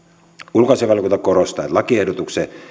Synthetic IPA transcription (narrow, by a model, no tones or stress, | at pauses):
ulkɑseʋɑlkont̪ɑkorost̪ɑːet̪lɑkiehdot̪ukse